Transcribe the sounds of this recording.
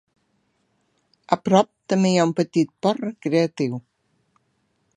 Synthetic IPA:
apɾɔp̚t̪əmejaumpət̪it̪̚pɔrəkɾeat̪iw

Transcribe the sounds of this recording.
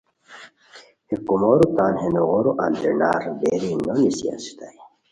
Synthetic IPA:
hekumoːɾut̪aːnhenoɣoɾuʔa̰nd̪ḛna̰ːɾbeːɾiːnːonisija̰nsi̥t̪ai

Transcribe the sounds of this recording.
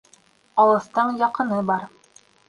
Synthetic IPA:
ɑlˠɤ̆θt̪ɤɴjɑqɤ̆nɤbɑɾ

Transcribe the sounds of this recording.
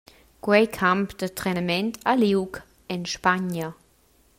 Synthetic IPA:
kwɛjkʰampd̪ətɾɛnəmɛntʰaliwk | ɛnʃpaɲə

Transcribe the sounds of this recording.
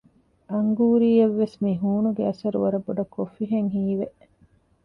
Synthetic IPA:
ʔɐŋɡuːɾiːeʋːesmiɦuːnuɡeɐsɐɾṵʋɐɾɐboɖɐkofiɦeŋɦiːʋeʔ

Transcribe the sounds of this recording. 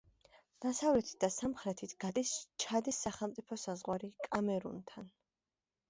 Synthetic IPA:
d̪̥asavlɛt̪ʰi̥t̪̚d̪asamχɾɛt̪ʰit̪ʰɡ̥ad̪ist͡ʃʰad̪isːaχɛlˠmt̪sʼipʰɔsazʁwaɾikʼamɛɾṵnt̪ʰan

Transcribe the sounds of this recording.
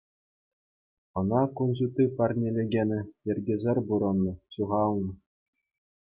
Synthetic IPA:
ɤ̆nɑkunʑut̪ʲipɑrnʲelʲeɡʲenʲɘ̆jɘ̆rʲɡʲĕzʲerʲbuɾɤ̆nːɤ̆ɕuʁɑlˠnɤ̆

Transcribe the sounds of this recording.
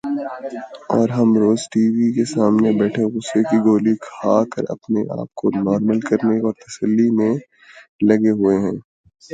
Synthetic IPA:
ɔːɾɦɐmɾoːzʈiːʋikesaːmnebɛːʈʰeɣʊsekiɡoːlikʰaːkəɾɐ̰pneʔa̰ːp̚konɔːɾməlkɐɾnekɔːɾt̪ɐsəlːimẽ | lɐɡeɦʊeɦɛ̃ː

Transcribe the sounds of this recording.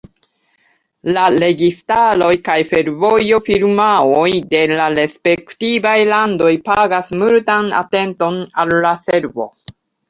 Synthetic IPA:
laɾe̞ɡistaɾo̞jkajfe̞ɾvo̞jo̞fiɾmaojde̞laɾe̞spe̞ktivajlando̞jpaɡasmultana̰te̞nto̞nalːase̞ɾvo̞̰

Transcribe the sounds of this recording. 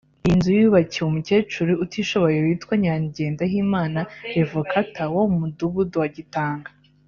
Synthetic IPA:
inzujuβaciumuceːt͡ʃuɾuutiʃo̞βo̞jeuitwaɲaːɲɟe̞ːndaɦiːmaːnaɾevokʰatawomuduβudowaɟitaːŋɡa

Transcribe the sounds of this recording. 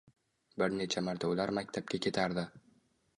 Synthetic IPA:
bɪɾne̞t͡ʃʰamaɾt̪ʰaʊlaɾmakʲt̪ʰap̚kʲakʲʰe̞t̪ʰaɾd̪ɪ

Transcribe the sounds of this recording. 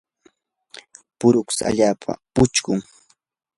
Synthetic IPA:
pʊɾʊksa̰ʎaːpʰa̰pʊt͡ʃkʊŋ

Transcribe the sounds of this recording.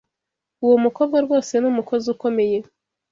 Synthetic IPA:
uwomukoβɡaɾɡo̞ːse̞nuːmuko̞zuko̞me̞je

